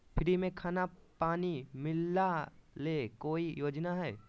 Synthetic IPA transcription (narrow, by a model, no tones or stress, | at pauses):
pʰɪɾimẽkʰaːnapaːnimɪlːaleːkoːijoːd͡ʒnaɦɛː